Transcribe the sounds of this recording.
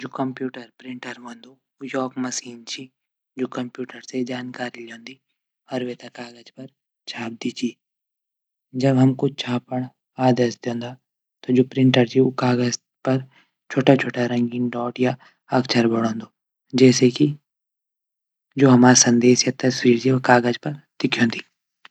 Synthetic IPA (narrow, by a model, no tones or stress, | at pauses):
d͡ʒoːkɐmpjuːʈəɾpɾɪ̃ɳʈəɾɦõːnd̪oː | jɔːkmɐsiːnt͡ʃʰi | d͡ʒoːkɐmpjuːʈəɾsed͡ʒaːnkaːɾilõːnd̪i | ɔːɾʋeːt̪ɐkaːɡəd͡ʒpɐɾ | t͡ʃʰaːp̚d̪it͡ʃʰiː | d͡ʒɐbɦɐmkot͡ʃʰaːpəɽ̃ | aːd̪esd̪õːnd̪a | t̪od͡ʒoːpɾɪ̃ɳʈəɾt͡ʃʰiokaːɡəz | pɐɾ | t͡ʃʰoːʈat͡ʃʰoːʈaɾɐ̃ŋɡinɖɔːʈja | ɐkt͡ʃʰəɾbɐɽ̃õːnd̪oː | d͡ʒɛːseki | d͡ʒoːɦɐmaːɾsɐ̃nd̪eːsjat̪ɐswiːɾt͡ʃiokaːɡəd͡ʒpɐɾt̪ɪkʰjõːnd̪iː